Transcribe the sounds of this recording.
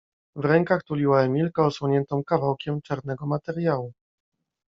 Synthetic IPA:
vɾɛŋkaxt̪ulʲiwaɛmʲilkaɔswɔɲɛnt̪ɔ̃w̃kavawkʲɛmt͡ʂaɾnɛɡɔmat̪ɛɾjawu

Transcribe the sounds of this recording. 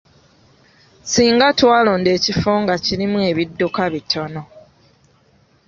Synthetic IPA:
siːŋɡatwaːlo̞ːnde̞ːcifoːŋɡaciɾimue̞ːβidːokaβitʰo̞no̞

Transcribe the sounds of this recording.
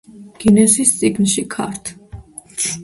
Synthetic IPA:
ɡ̥inɛsist̪sʼiɡnʃikʰa̰ɾt̪ʰ

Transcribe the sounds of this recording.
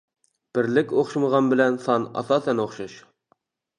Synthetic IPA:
b̥ɪɾlɪkʲoχʃməʁɑnbɪlɛnsɑnɑ̰sɑsɛnoχʃɑʃ

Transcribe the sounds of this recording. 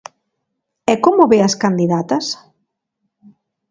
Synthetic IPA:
ɛkomʊβeɐskand̪iðat̪ɐs

